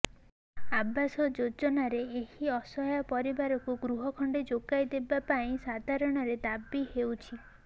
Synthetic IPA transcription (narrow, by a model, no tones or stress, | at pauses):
abːasɔd͡ʒod͡ʒɔnaɾeehiɔsɔɦjapɔɾibaɾɔkuɡɾuɦɔkʰɔɳɖed͡ʒoɡajd̪ebapaĩsad̪ʱaɾɔɽ̃ɔɾed̪abihewt͡ʃʰi